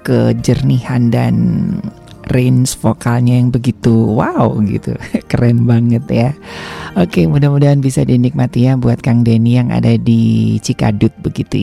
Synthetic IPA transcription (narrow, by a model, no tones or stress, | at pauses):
kə̰d͡ʒərnihanda̰n | rensfokalɲajaŋbəɡit̪uwawɡḭt̪ṵkəɾɛmbaŋət̪jaokemudahmudaɦanbisadinik̚mat̪ijabuat̪̚kaŋdenijaŋa̰dadit͡ʃika̰dʊt̪̚bəɡit̪u